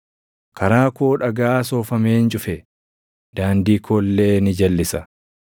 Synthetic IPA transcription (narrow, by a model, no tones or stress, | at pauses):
kʰɐɾaːkoːᶑɐɡaːso̞ːfɐmeːnt͡ʃʼʊfɛ | d̪̥aːnd̪iːkʰoːlːeːnɪd͡ʒɐlːɪsɐ